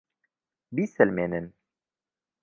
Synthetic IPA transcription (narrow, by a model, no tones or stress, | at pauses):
biːsɛlmeːnɨn